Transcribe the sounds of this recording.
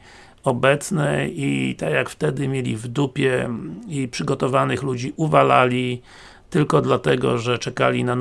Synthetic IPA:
ɔbɛt̪snɛit̪akjakft̪ɛd̪ɘmʲjelʲḭvd̪upʲjɛipʂɘɡɔt̪ɔvanɘxlud͡ʑiʔuvala̰lʲi | t̪ɘlkɔd̪lat̪ɛɡɔ̰ʐɛt͡ʂɛkalʲḭnan

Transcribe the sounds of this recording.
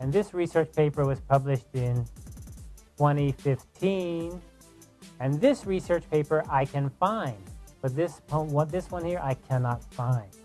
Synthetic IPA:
ɨ̃nðɪsɹisɜ˞t͡ʃpʰeɪpə˞wʌz̥pʰʌblɨʃtɪ̃n | tʰw̥ɛ̃ɾ̃ifɪftʰĩn | ɨ̃nðɪsɹisɜ˞t͡ʃpʰeɪpə˞ʔaɪkʰɨ̃nfãɪ̃ndb̥ʌt̪̚ðɪspʰowʌt̪̚ðɪswʌ̃nhiɹʔaɪkʰænɑtfãɪ̃nd̥

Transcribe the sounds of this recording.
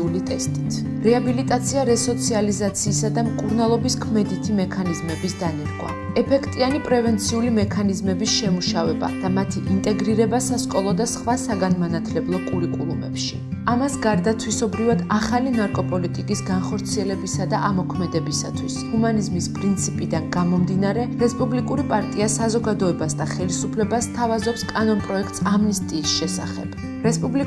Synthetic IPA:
ulit̪ʼɛst̪ʼit̪ʰ | ɾɛabilit̪ʼat̪sʰiaɾɛsɔt̪sʰializat̪sʰiːsad̪amkʼuɾnalˠɔbiskʰmɛd̪it̪ʰimɛkʰanizmɛbisd̪aniɾɡwa̰ | ɛpʰɛkʰt̪ʼianipʼɾɛvɛnt̪sʰiulimɛkʰanizmɛbisʃɛmuʃavɛba̰d̪̥amat̪ʰiʔint̪ʼɛɡɾiɾɛbasaskʼɔlˠɔd̪asχwasaɡanmanat̪ʰlɛblˠɔkʼuɾikʼulˠumɛ̰pʃi | amasɡaɾd̪at̪ʰwisɔbɾivad̪aχalinaɾkʼɔpʼɔlit̪ʼikʼisɡanχɔɾt̪sʰiɛlɛbisad̪aʔamɔkʰmɛd̪ɛbisa̰t̪ʰwishumanizmispʼɾint̪sʰipʼid̪anɡamɔmd̪inaɾɛɾɛspʼublikʼuɾipʼaɾt̪ʼiasazɔɡad̪ɔɛbasd̪aχɛlisupʰlɛbast̪ʰavazɔpskʼanɔnpʼɾɔɛk̚ʰt̪ʼsamnist̪ʼiːsʃɛsa̰χɛ̰b̥ | ɾɛspʼubli

